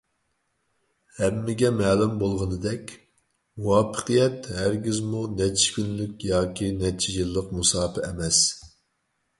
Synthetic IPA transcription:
hɛmːɪɡʲɛmɛːlɪmbolˠʁənɨd̪ɛkʲ | wɑːpʰə̥qʰɨjɛt̪hæɾɡʲizmunɛt͡ʃʰːi̥kʲynlykʲjɑːkʲinɛt͡ʃʰijilːəqmusɑːpʰɪɛmɛs

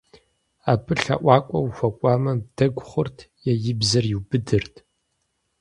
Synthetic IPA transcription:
aːpʰɨɬɐ̰ʔʷɑːkʷʼɔwxʷɐkʷʼɑːmɐb̚d̥ɐɡʷχʷʊrtʰ | jɛjɪbzɐrjɪwbɨdɨrtʰ

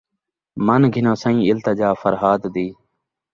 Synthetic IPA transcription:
mənɡʱɪnõːsə̃ĩːɪlt̪əd͡ʒaːfəɾɦaːd̪d̪iː

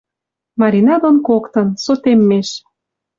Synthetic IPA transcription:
mɑɾʲinɑd̪onkokt̪ɤ̆nsot̪emːeʃ

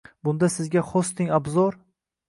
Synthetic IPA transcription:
bʊnd̪asɪzɡʲaχost̪ɪŋabzɒɾ

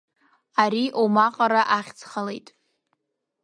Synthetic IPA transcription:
aɾiʔomaqʼaɾaʔaχʲt͡sʰχalejtʼ

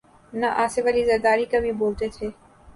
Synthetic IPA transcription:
naʔaːseʋalizɐɾd̪aːɾikɐbʱiboːlt̪et̪ʰeː

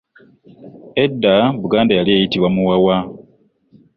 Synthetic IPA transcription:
e̞dːaβuɡaːndajaliejitiβwamuwawa

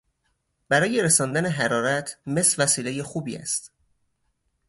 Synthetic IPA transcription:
b̥æɾɒːje̞ɾesɒːnd̪æneɦæɾɒːɾæt̪ʰme̞svæsiːle̞jexuːbḭːæ̰st̪

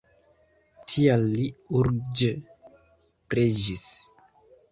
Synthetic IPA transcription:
tʰialːiuɾd͡ʒe | pɾed͡ʒis

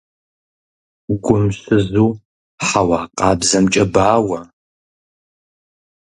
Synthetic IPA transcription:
ɡʷʊmɕɨzuː | ħawɑːqʼɑːbzɐmt͡ʃʼɐbaːwɐ

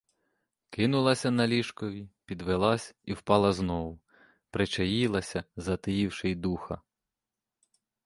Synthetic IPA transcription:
kɪnʊlˠɐsʲɐnɐlʲiʃkɔʋʲipʲid̪ʋelˠɑsʲiwpɑlˠɐznɔʋʊ | pɾet͡ʃɐjilˠɐsʲɐzɐt̪ɪjiwʃɪjd̪uxɐ̰

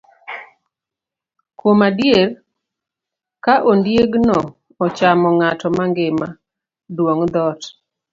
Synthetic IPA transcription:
kwomadjer | kaʔondjeɡnɔ | ɔt͡ʃamɔŋatɔmaŋɡema | dwoŋd̪ɔt

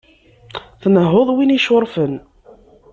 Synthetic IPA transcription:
θnəɦːʊðˤwiniʃʊɾˤfən

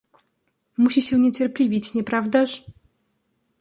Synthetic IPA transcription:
muɕiɕɛɲɛt͡ɕɛɾpʲlʲivʲit͡ɕɲɛpɾavd̪aʂ

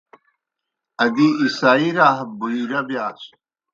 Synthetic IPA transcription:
ɐɡiːsaːiɾaːɦbuiɾɐbjaːs

